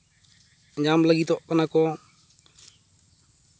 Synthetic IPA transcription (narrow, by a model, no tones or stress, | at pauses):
əɲd͡ʑaːmləɡiːt̪oːənaːkoː